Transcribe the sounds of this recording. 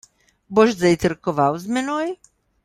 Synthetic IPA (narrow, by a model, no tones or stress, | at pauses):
bɔʒd͡zɛjt̪rkɔʋawzmɛnɔj